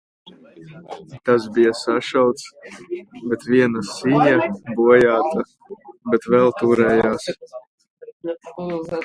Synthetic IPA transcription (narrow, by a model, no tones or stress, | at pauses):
t̪asbijasaʃawt̪s | bɛt̪vʲiɛnasiɲabuɔjaːt̪a | bɛt̪vɛlˠt̪uːɾɛːjaːs